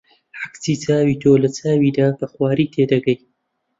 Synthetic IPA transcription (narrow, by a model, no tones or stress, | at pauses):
ħaksiːt͡saːwiːt̪ʰoːlɐt͡sʰaːwiːd̪aːkɐxwaːɾiːt̪ʰeːd̪ɐɡɐj